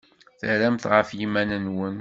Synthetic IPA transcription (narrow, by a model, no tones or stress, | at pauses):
θəɾæmθʁəfjimænənwən